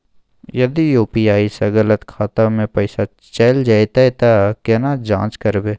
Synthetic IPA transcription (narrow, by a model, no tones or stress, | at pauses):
jɐd̪ijuːpijaːisɐɡələt̪kʰaːt̪amẽpɐɪsa | t͡ʃɐld͡ʒaːjt̪aet̪akenad͡ʒãːt͡ʃkɐɾbeː